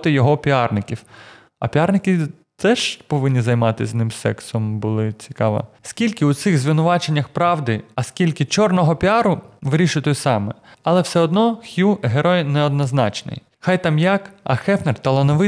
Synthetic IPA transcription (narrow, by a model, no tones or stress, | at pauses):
t̪ɪjɔɦɔpʲiɑrnɪkʲiw | ɐ̰pʲiɑrnɪkʲi | t̪ɛʒpɔʋɪnʲːizɐjmɑt̪ɪzʲznɪmsɛ̰ksɔmbʊlˠɪt͡sʲi̥kɑʋɐ̰skʲilʲkɪʊt̪sɪɣzʲʋɪnʊʋɑt͡ʃe̞nʲːɐxpɾɑʋd̪ɪɐskʲilʲkɪt͡ʃɔrnɔɦɔpʲiɑɾʊʋɪɾʲiʃɪt̪ʊjsɑmɛɐlˠɛwsɛɔd̪nɔxʲjuɦeɾɔjnɛɔd̪nɐznɑ̰t͡ʃnɪ̰j | xɑjt̪ɑmjɑkɐ̰xɛfnert̪ɐlˠɐnɔʋɪ